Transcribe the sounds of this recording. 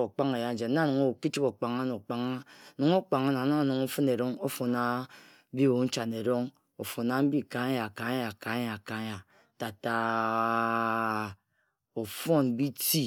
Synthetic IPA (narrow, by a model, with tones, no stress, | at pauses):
o˨k͡pa˦ŋe˨ja˦n̩˦d͡ʒe˨˦a˦˨nu˨ŋo˦˨ki˦t͡ʃi˦ko˨k͡pa˨ŋa˦no˨k͡pa˨ŋa˦˨nu˨ŋo˦k͡pa˨ŋa˦na˨na˦˨nu˨ŋo˦fɨ˦ne˨ɾo˦ŋo˦fo˨na˨˦ | bi˦˨wo˨˦n̩˦t͡ʃa˨ne˨ɾo˦ŋ | o˨fo˨na˨˦m̩˦bi˦ka˨˦a˨ka˨˦ja˨ka˨˦ɲa˨ka˨˦ɲa˨ | ta˨ta˨ | o˨fo˦˨n˦bi˦ti˦